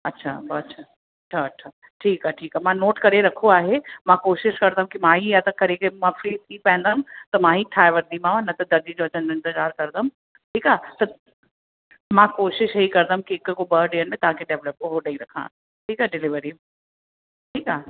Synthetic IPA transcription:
ɐtːɕʰa̰bɐtːɕʰa | ɐtːɕʰaɐtːɕʰa | ʈʰiːkaːʈʰiːkaːmãnoːʈkɐɾeɾɐkʰoaːɦemãkoːʃɪʃkɐɾd̪aɦũkimãːɦijat̪ɐkɐɾekəmãfɾiːt̪ʰipɛ̃ɦɪ̃nd̪ɐmt̪ɐmãɦiʈʰaːeʋəɾd̪imãʋãnɐt̪ɐd̪ɐɾd̪id͡ʑoɐt͡ɕə̃nɪ̃nt̪ɪzaːɾkɐɾd̪əm | ʈʰiːkat̪ɐ | mãːkoːʃɪʃɦeikɐɾd̪əumkiɪkkobəːɾɖeːənmẽt̪ɐɦãkeɖeːʋləp̚oɦoɖɐĩɾɐkʰã̰ː | ʈʰiːkaɖɪlɪʋəɾi | ʈʰiːkaː

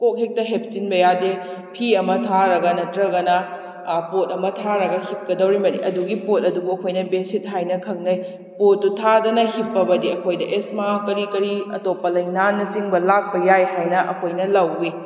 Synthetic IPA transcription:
kok̚ɦek̚tɐɦep̚t͡ʃinbɐjade | pʰiɐmɐtʰaɾɐɡɐnɐtɾɐɡɐnɐ | pot̚ɐmɐtʰaɾɐɡɐhip̚kɐdɐwɾimɐniʔɐduɡipot̚ɐdubuɐkʰojnɐbesit̚ɦajnɐkʰɐk̚nɐj | potːutʰadɐnɐhipːɐbɐdiɐkʰojdɐʔesmakɐɾikɐɾiɐtopːɐlɐjnanːɐsiŋbɐlak̚pɐjajɦajnɐʔɐ̰kʰojnɐlɐwi

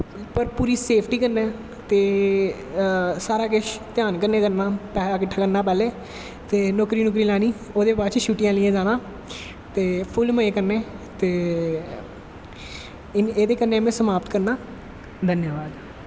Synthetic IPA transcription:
pəɾpuːɾiːseːpʰʈiːkəɾnɛː | t̪eː | saːɾaːkɪʃt̪ɪjaːnkəɾneːkəɾnaːpɛːaːkɪʈʰːaːkəɾnaːpɛːleː | t̪eːnɔːkɾiːnʊk̬ɾiːlaːniː | oːd̪eːbaːɾt͡ʃʃuːʈɪ̃jãːlɪjãːd͡ʒaːnãː | t̪eːpʰʊlməeːkəɾnẽːt̪eː | eːd̪eːkənːeːəmẽsəmaːpt̪kəɾnaː | d̪ʱənjaːʋaːd̪

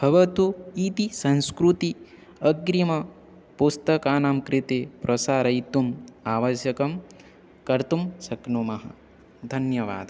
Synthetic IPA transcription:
b̥ʱɐʋɐt̪uiːt̪isɐnskɾut̪i | ɐɡɾimɐ | pust̪ɐkaːnaːmkɾit̪eːpɾʔɐsaːɾɐjt̪umaːʋɐsjɐkɐm | kɐɾt̪umsɐknumɐɦɐ̰ | d̪ʱɐnjɐʋa̰ːd̪

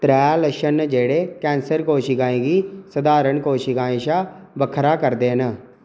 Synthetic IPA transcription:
t̪ɾɛːləʃənd͡ʒeːɽeːkɛ̃ːnsəɾkoːʃiːɡaːẽːɡiːsəd̪aːɾəɳkoːʃiɡaːẽːʃaː | bəkʰɾaːkəɾd̪eːɦən

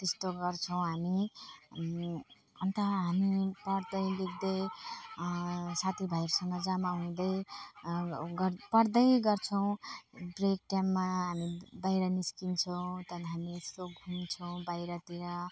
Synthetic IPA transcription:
t̪est̪oɡʌrt͡sʰʌw̃ɦami | ʌnt̪ʌɦamipʌɽd̪ʌjliɡ̚d̪ʌj | sat̪ʰibʱajɾsʌŋɡʌd͡zamaɦũd̪ʌj | ɡʌpʌɽd̪ʌjɡʌrt͡sʰʌw̃brek̚ʈjamːaɦamibajɾʌniskint͡sʰʌw̃t̪ʌnɦamiest̪oɡʱunt͡sʰʌw̃bajɾʌt̪iɾʌ

